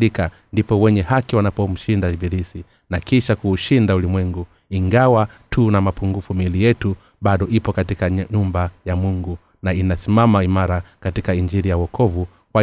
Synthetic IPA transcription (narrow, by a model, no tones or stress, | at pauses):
lika | ndipɔwɛɲɛhakiwanapɔm̩ʃindaibiɾisi | nakiʃakuːʃindaulimwɛŋɡu | iŋɡawatʰunamapuŋɡufumilijɛtu | ɓaɗɔʔipɔkatikaɲumbajamuŋɡu | nainasimamaimaɾakatikaiɲd͡ʒiɾijawɔkʰɔvu | kwa